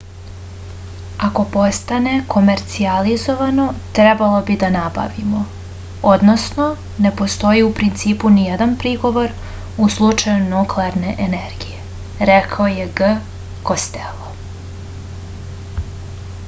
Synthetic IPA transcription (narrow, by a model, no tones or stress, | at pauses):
ako̞po̞st̪ane̞kʰo̞me̞ɾt̪sializo̞ʋano̞t̪ɾebalˠo̞bid̪anaba̰ʋimo̞ | od̪no̞sno̞ | ne̞po̞st̪o̞jiupɾint̪siːpunijed̪anpɾiɡo̞ʋo̞ɾ | uslˠut͡ʂajunukleaɾne̞ʔeneɾɡije̞ | ɾekʰaoje̞ɡə | ko̞st̪elˠo